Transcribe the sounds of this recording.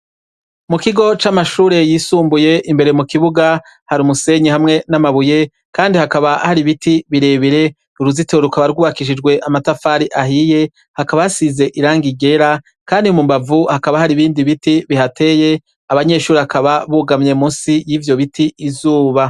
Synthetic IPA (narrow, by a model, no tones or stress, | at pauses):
mukiɡo̞t͡ʃamaʃuːɾe̞jiːsuːmbuje̞ʔimbe̞ɾemukiβuɡa | haɾumuse̞ɲihamŋe̞namaβuje̞ | kaːndihakaβahaɾiβitiβiɾe̞βiɾe̞ | uɾuziteoɾukaβaɾɡuːβakiʃ̬id͡ʒɡwe̞ʔamatafaːɾiʔaɦije̞ | hakaβahasize̞ʔiɾaːŋɡiɡe̞ɾa | kaːndiumumbavuhakaβahaɾiβiːndiβitiβihate̞je̞ | aβaɲe̞ːʃuːɾihakaβaβuɡamɲe̞musijivjo̞βitiizuːβa